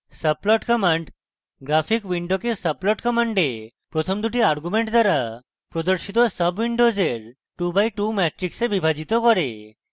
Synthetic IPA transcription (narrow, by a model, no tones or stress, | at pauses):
səp̚lɔʈkəməɳɖ | ɡɾapʰikʋiɳɖokesəplɔʈkəməɳɖe | pɾɔt̪ʰɔmd̪uʈiaɾɡumeɳʈd̪ʱaɾa | pɾɔd̪ɔɾʃit̪ɔsəbʋiɳɖod͡zeɾ | ʈubajʈumɛʈɾiksebibʱad͡ʑit̪ɔkɔɾe